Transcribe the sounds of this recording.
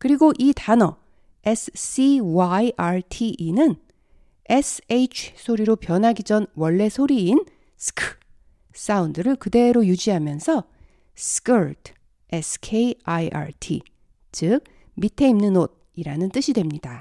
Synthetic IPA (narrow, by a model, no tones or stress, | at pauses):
kɯɾiɡoʔitanʌ | essiwaiʔaɾtʰiʔinɯn | e̞sʰet͡ɕʰsʰoɾiɾopjʌnɦaɡid͡ʑʌnwʌɭːe̞sʰoɾiin | sʰɯ̥kʰɯ̥ | s͈aundɯɾɯɭkɯde̞ɾojud͡ʑiɦamjʌnsʰʌ | sɯ̥k͈aɾtʰ | esʰkʰeajʔa̰ɾtʰḭ | t͡ɕɯk̚ | mitʰe̞imnɯnod̚ | iɾanɯnt͈ɯɕʰidwe̞mɲid̥a